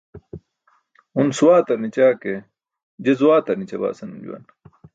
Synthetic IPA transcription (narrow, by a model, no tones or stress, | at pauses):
unsuwaːt̪ɐɾnit͡ɕaːke | d͡ʑezuwaːt̪ɐɾnit͡ɕɐba̰ːsɐnumd͡ʑṵwɐ̰n